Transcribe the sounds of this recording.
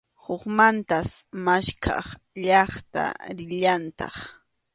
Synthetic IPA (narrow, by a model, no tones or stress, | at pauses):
hʊχmant̪asmaʃkʰɑ̰χ | ʎɑχt̪a̰ɾɪʎant̪ɑ̰χ